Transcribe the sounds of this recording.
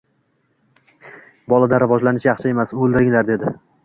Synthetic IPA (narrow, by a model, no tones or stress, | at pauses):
bɒlˠad̪aɾɪvɒd͡ʒlanɪʃjɑχʃɪe̞masolˠd̪ɪɾɪŋlaɾd̪e̞d̪ɪ